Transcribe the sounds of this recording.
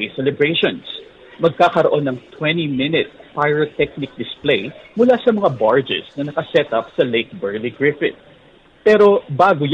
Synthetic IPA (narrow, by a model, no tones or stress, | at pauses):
sɛlɛbɹejʃons | mɐɡ̚kaːkɐɾoʔo̞nːɐŋt̪wɛ̃nimɪnɪt̪̚pajɹot̪ɛk̚nɪk̚d̪ɪsplejmʊlasɐmɐŋabaɹd͡ʒɛ̰snɐnɐkɐsɛt̪ɐp̚sɐlejk̚bɛɹliɡɹɪfɪt̪̚ | pɛːɾo̞baːɡoj